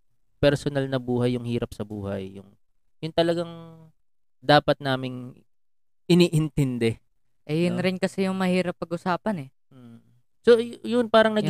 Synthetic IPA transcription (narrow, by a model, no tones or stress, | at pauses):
pɛɾsonalnɐbuːɦɐjːʊŋhiːɾɐp̚sɐbuːhɐ̰jːʊŋ | jʊnt̪ɐlɐɡaŋ | d̪aːpɐt̪̚naːmɪŋ | ʔɪniːʔɪnt̪ɛnd̪ɛ | ʔɛjʊnɾɪnkɐsɛjʊŋmɐhiːɾɐpːɐɡʔʊsaːpɐnɛ | m̩ | sojʊnpaːɾɐŋnɐɡ